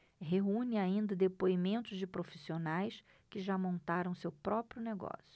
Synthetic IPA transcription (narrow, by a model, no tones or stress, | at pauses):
ɦeũnɪaĩnd̪ɐd̪epoimẽnt̪ʊzd͡ʒɪpɾofi̥sionajs | kɪʒamõnt̪aɾɐ̃w̃sewpɾɔpɾjʊneɡɔ̰sjʊ̥